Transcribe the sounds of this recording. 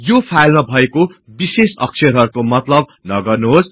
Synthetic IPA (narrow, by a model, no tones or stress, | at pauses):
jopʰajlmabʱʌekobisesʌ̰ksʰeɾɦʌrkomʌt̪lʌb̚nʌɡʌrnuɦos